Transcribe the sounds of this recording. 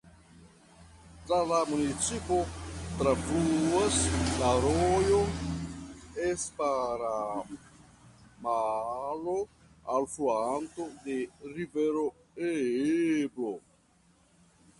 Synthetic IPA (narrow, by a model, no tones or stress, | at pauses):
t̪ɾalamunit͡sipot̪ɾavuaslaɾojon | espaɾa | malo | alfuant̪od̪eɾiveɾo | e | blo